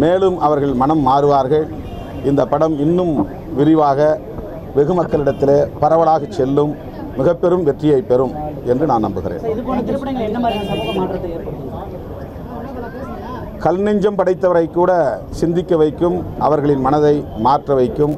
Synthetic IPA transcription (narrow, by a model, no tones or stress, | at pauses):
meːlɯmʔɐʋɐɾɣɐɭmɐnɐmːaːɾɯʋaːɾɣɐɭ | ɪnd̪ɐpːɐɽɐmɪnːɯm | ʋɪɾɪʋaːɣɐ | ʋɛɣɯmɐkːɐɭɪɽɐt̪ːɪleːpɐɾɐʋɐɭaːɣɐt͡ʃːɛlːɯmː | ɪɣɐpːɛɾɯmʋɛʈrɪjɐɪpːɛɾɯmɛndrɯnaːnɐ̰mbɯɣɪɾḛːnoɐɐɐɐaːʈrɐðɐeːɾpɐɽɯɣɪ | kɐlnɪɲd͡ʒɐmpɐɽɐɪt̪ːɐʋɐɾɐɪkːuːɽɐsɪnd̪ɪkːɐʋɐɪkːɯmʔɐʋɐɾɣɐɭɪnmɐnɐðɐɪmaːrʈrɐʋɐɪkːɯm